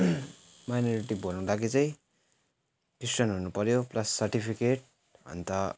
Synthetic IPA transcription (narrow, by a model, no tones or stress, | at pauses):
majnʌɾiʈibolnũlakit͡sʌ̃j̃ | kisʈʌnɦunupʌɾjoplasːʌrʈipʰikeʈ̚ | ɦʌ̰nt̪ʌ